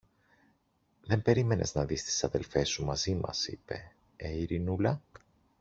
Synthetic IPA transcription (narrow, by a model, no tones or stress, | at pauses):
ðe̞mbe̞ɾime̞ne̞̰znɐðist̪i̥sɐðe̞lfe̞sumɐzimɐ̰sḭpe̞̰ | eiɾinulɐ